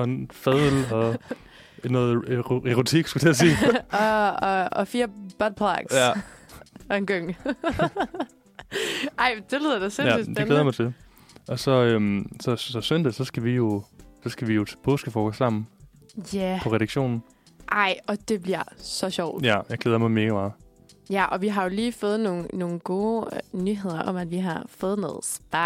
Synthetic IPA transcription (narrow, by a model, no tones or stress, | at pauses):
ɒ̽enfɛð̰ˠl̩ɒ̽ | nɔ̽ːð̩ˠeʁo̝t͡sʰiɡ̥sɡ̥ud̥ʰeæsiː | fiːɐb̥ɒd̥̚pʰla̰ɡ̥sæ | enɡ̥øŋ̰ | ʔɑ̈ɪ̰d̥e̝ly̰ðˠɐd̥esensydd̥eleːjɐmɑ̈ɪt͡sʰel | ʔɒ̽sɒ̽ømsɒɒsønd̥əsɒ̽sɡ̥æʋijo̝sɒ̽sɡ̥æʋijo̝t͡sʰe̥pʰɔ̰ːsɡ̥əfɒːɡ̥ɒsɑ̈m̰n̩ | jæpʰɒ̽ʁɛɾɑɡ̥ɕo̝̰ːnn̩ | ʔɑ̈ɪ̰ɒ̽d̥e̝b̥liɐ̰sɒ̽ɕɒʊ̰d̥jæjɑɪɡ̥leð̞ˠɐmɑ̈ɪmeːɡ̥əmɑ̈ː | jæʔɒ̽ʋiɦɑ̈jo̝liːfɔ̽ːð̩ˠno̝ːn̩no̝ːn̩ɡ̥o̝ːnyɦe̝ð̰ˠɐʔɒ̽m̰æd̥ʋiɦɑ̈fɔːð̞̩ˠnɔ̽ːð̩ˠsb̥ɑ